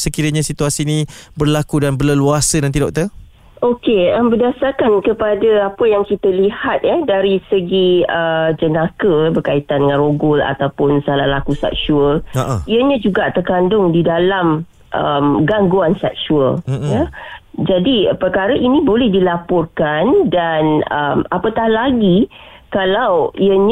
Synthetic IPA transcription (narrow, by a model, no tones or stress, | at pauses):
səkiɾaɲãsit̪uasiːnĩbərlakudanbələluasənant̪idɔk̚t̪ə | okeəmbərdasarkankəpadəapəjaŋkit̪əlihat̪̚ɛdaɾisəɡiəd͡ʒənakəbərkait̪andəŋãnroɡʊla̰t̪awpʊnsala̰hlakusa̰k̚suəliəɲə̃d͡ʒuɡaʔt̪ərkandʊŋdidalam | ʔəmɡaŋɡuansak̚suə̰ljəd͡ʒadipərkaɾəʔinĩbolɛhdilapɔrkandanə̰mapət̪ahlaɡikalawiəɲ